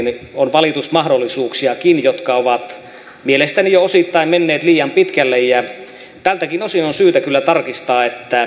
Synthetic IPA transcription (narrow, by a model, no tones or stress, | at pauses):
nonʋɑlit̪usmɑhdolːisuːksiɑkinjot̪kɑoʋɑt̪ | mielest̪ænijoosit̪ːɑimmenːeːt̪liːjɑmpit̪kælːejjæ | t̪ælt̪ækinosinonsyːt̪ækylːæt̪ɑrkist̪ɑːet̪ːæ